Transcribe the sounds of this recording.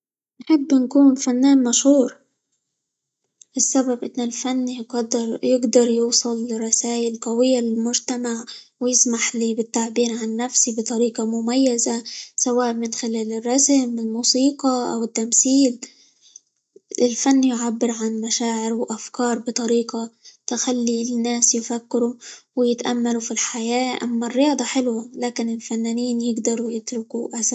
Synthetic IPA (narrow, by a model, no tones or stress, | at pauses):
nħɪbːnkuːnfanːaːnmaʃhuːɾ | ʔɪsːababʔɪnːʊlfanː | jɪɡd̪ɑɾˤjuːsˤɨlːɪrˤːɑsaːjɪlqawɪjːalɪlmʊʒt̪amaʕwjɪsmaħliːbɪt̪ːaʕbiːɾʕanːafsibɨt̪ˤɑɾiːqɑmʊmajːazasawaːʔmɪnxɪlaːlɪrˤːɑsɪmɪlmuːsiːqɑʔa̰wɪt̪ːamsiːl | ɪlfanːjʊʕabːɪɾʕanmaʃaːʕɪɾwʔafkɑːɾˤbɨt̪ˤɑɾiːqɑt̪ɪxalːinːaːsjɪfakːɪɾuwɪjɪt̪ʔamːalufilħajaːʔamːarːɪjɑːd̪ˤɑħɪlwalaːkɪnɪlfanːaniːnjɪɡd̪ɑɾˤujɪt̪ɾʊkuʔasa